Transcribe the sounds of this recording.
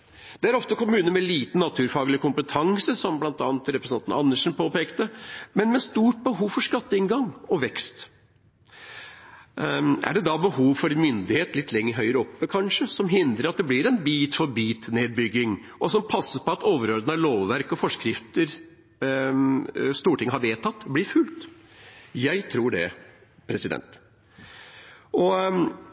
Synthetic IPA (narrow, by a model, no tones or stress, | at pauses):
d̪̥ɛæɾɔft̪əkʊmʉːnəmɛliːt̪nnɑt̪ʰʉːɾfɑːɡəlɪkʰʊmpət̪ʰɑŋsəsɔmblɑnt̪ɑ̰ːnət̪ɾɛpɾəsnɑnnɑ̰nːəʂn̩pʰoːpeːkt̪əmɛnmɛst̪uːʈ̚bəɦuːʋfɔɾʂkɑt̪ːəɪnɡɑŋɔʋɛkst̪ | æ̰ɖɛd̪ɑbəhuːʋfɔɾɛnmʏnd̪ɪheːt̪lɪt̪ʰːlɛŋːəɾɦœʏɾəɔpːəkʰɑnʂəsɔmɦɪnd̪ɾəɾɑt̪̚d̪ɛblɪɾɛnbiːt̪fɔɾbiːt̪neːd̪̚bʏɡːɪŋ | ʔɔsɔmpʰɑsːəpʰɔɑt̪oːʋəɾoːd̪ənɑʋloːʋʋæɾkɔfɔʂkɾɪft̪əɾ | st̪uːʈʰɪŋːəhɑɾʋeːt̪ʰɑt̪ːblɪɾfʉlt̪ | jæɪt̪ʰɾuːɖɛ | pʰɾɛsɪd̪ɛ̰nt̪ | ʔɔ